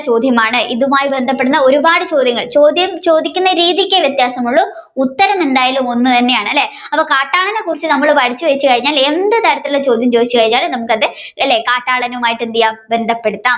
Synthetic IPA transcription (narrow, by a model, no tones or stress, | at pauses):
t͡ɕo̞ːd̪ʱjɐmaːɳɨʔiðumaːjibe̞nd̪ʱɐpːe̞ɽunːɐo̞ɾubaːɽɨt͡ɕo̞ːd̪ʱjɐŋːɐɭt͡ɕo̞ːd̪ʱjɐmt͡ɕo̞ːd̪ikʲːunːɐɾiːðikʲːeʋjɐt̪jaːsɐmuɭːu | ut̪ːɐɾɐme̞nd̪aːjɐlumo̞nːut̪ɐnːe̞jaːɳɨɐlːe̞ | ɐpːɐːkaːʈːaːɭɐnekːurit͡ɕːɨnɐmːɐɭpɐɽit͡ɕːɨʋet͡ɕːɨkɐɻiɲːaːle̞nd̪ɨt̪ɐɾɐt̪ːillet͡ɕo̞ːd̪ʱjɐmt͡ɕoːd̪it͡ɕːɨkɐɻiɲːaːlnɐmukːɨɐðɨ | ɐlːe̞kaːʈːaːɭɐnɐmaːjiʈːend̪ijaːmbe̞nd̪ʱɐpːe̞ɽut̪ːaːm